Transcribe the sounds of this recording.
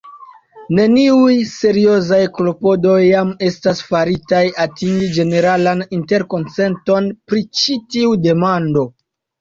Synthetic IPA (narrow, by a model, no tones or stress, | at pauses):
ne̞niujse̞ɾio̞zajklo̞po̞do̞jːame̞stasfaɾitajatiŋɡid͡ʒe̞ne̞ɾalaninte̞ɾko̞nt͡se̞nto̞npɾit͡ʃitiude̞mando̞